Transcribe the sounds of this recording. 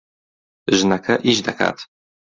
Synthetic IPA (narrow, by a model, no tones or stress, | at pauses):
ʒnakʰaʔiʑd̪aka̰t̪